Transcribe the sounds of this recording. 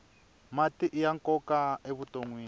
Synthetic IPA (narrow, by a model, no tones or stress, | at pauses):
matiʔijaŋkɔkaeβutʼoŋwiː